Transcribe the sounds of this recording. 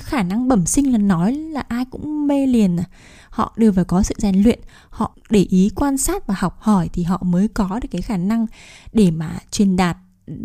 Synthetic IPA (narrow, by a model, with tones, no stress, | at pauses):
xaː˧˩na˧ŋɓə˧˩msï˧ŋ̟laː˨˩nːɔ˨˦jlaː˨˩ʔaː˧jkʊ̰˧˥ŋ͡mme˧li˨˩əna˨˩ | hɔ̰˧˨ɗɨ˧əvaː˨˩wkɔ˨˦sɨ̰˧˨zaː˨˩ŋlwḭ˧˨ən | hɔ̰˧˨ɗe˧˩ʔi˨˦kwaː˧nsaː˦˥t̚vaː˨˩ha˨˩wk͡p̚hɔ˧˩jt̪ʰi˨˩ɦɔ̰˧˨məː˨˦jkɔ˨˦ɗɨ˨˩kaː˨˦jxaː˧˩na˧ŋɗe˧˩maː˨˩t͡ɕwi˨˩ənɗaː˨˩t̚